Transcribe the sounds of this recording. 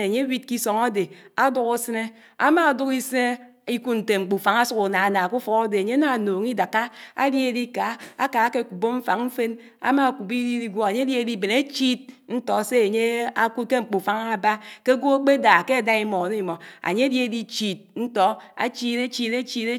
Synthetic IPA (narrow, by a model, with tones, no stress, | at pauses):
a˨ɲe˦wi˦t̚ki˦so˨ŋa˦de˨a˦du˦ku˦sɨ˦ne˦ | a˦ma˦a˨du˦ki˦sɨ˦ne˦ | i˦ku˦n̩˨te˨ŋ͡m̩˨k͡pu˨fa˨ŋa˦su˦ku˨na˨na˨ku˦fɔ˨˦a˦de˨a˨ɲe˦na˨noː˨ŋ˦i˦da˨ka˦a̰˦lje˦di˦ka˨˦a˦ka˨˦ke˦˨ku˨bo˦ɱ̩˦fa˨ŋm̩˦fe˦n | a̰˦ma˦˨ku˨bi˦di˦di˦ɡʷo˦˨a˨ɲe˦dje˦˨di˦˨be˨ne˦t͡ʃi˦t̚n̩˦tɔ˨˦se˦a˨ɲe˦a˦ku˦ke˦ŋ͡m̩˨k͡pu˨fa˨˦ŋa˦˨ba˦ke˦ɡʷo˦a˦k͡pe˦da˨ke˦a˨da˦i˦mɔ˨no˦i˨mɔ˨a̰˨ɲe˦dje˦˨di˦t͡ʃi˨t̚n̩˦tɔ˦a̰˦t͡ʃi˦ɾe˦t͡ʃi˦te˦t͡ʃi˦e˦